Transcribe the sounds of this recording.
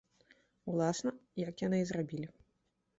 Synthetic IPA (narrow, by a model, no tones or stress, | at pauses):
wlˠasnɐjɐkjanɨzrabʲilʲi